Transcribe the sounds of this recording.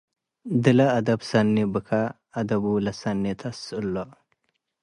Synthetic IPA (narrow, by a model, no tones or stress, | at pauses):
d̪ɪlɐːd̪ɐbsɐnːibɨkʰa | ɐd̪ɐbulɐsɐnːit̪ʰɐsʊlːoʔ